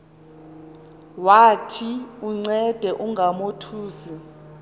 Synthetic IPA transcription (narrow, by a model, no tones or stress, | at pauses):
watʰiuŋ͡ǀɛd̥ʱɛʔuŋɡʱamotʰuːsi